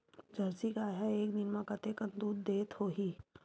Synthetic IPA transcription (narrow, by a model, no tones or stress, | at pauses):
d͡ʒʱɐɾsikaːɦɛeːkd̪ɪnmãkɐt̪ekənd̪uːd̪ːeːt̪hoːɦiː